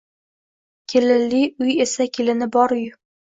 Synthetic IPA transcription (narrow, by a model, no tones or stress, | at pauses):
kʲʰelɪlːiʊjesakʲʰelɪnɪbɒɾʊj